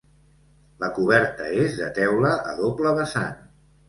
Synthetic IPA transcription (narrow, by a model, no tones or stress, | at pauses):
ləkuβ̞ɛɾt̪əezðə̰t̪ɛwləʔə̰ðopləβəsa̰n